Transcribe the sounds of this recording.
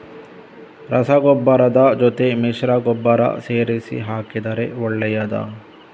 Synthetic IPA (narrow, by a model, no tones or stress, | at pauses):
ɾɐsɐɡɔbːɐɾɐd̪ɐd͡ʒɔt̪emiʃɾɐɡɔbːɐɾɐ̰seːɾisḭɦaːkid̪ɐɾeɔɭːɛjɐd̪ɐ̰